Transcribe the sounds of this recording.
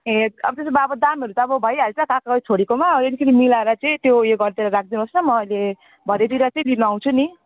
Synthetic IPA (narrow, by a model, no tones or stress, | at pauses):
ɦẽʌ̰bʌt̪esobaʌbʌd̪ameɾut̪aːbʌbʱʌjaɾet͡sãkãkaɡʌit͡sʰoɽikomaʌbed̪ikʰeɾimilaɾʌt͡sʌĩt̪jojoɡʌɾt̪eɾaɾak̚ʰd̪inɦʌsnʌmʌʌjle | bʱʌɾed̪iɾat͡sʌĩlinuaw̃t͡sʰuni